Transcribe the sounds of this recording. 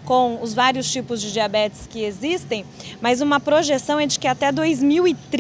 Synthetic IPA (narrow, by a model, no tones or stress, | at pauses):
kõw̃ʊzvaɾiʊst͡ʃipʊzd͡ʒɪd͡ʒiabɛt͡ʃɪ̥skɪezist̪ẽj̃mɐzũmɐpɾoʒesɐ̃w̃ɛd͡ʒɪkɪat̪ɛd̪ojzmiwɪt̪ɾ